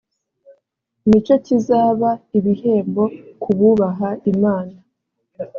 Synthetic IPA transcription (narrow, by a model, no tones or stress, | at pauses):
imit͡ʃo̞cizaːβaiβihe̞ːmbo̞kʰuβuːβaɦaimaːna